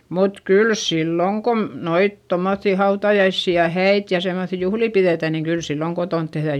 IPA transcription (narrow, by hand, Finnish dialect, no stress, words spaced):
mut kyl silːoŋ kom noit tomːoθːiˑ hɑutɑjɑisːi jɑ hæit jɑ semːoθi juhliˑ piðeˑtæ niːŋ kyl silːoŋ kotont tehðæ